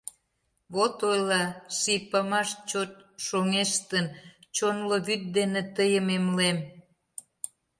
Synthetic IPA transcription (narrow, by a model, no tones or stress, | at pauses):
βot̪ojlɑʃipɑmɑʃt͡ɕot̪̚ʃoŋeʃt̪ənt͡ɕonloβyt̪̚d̪enet̪əjəmemlem